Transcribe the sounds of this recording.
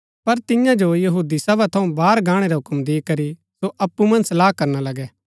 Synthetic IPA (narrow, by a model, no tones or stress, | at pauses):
pɐɾt̪ɪjãd͡ʒojɐɦuːd̪isɐbat̪ʰɐũbaːɾɡãːɽ̃eɾaɦʊkmd̪eːkɐɾi | soʔɐpːumɐ̃nsɐlaːɦkɐɾnalɐɡɛ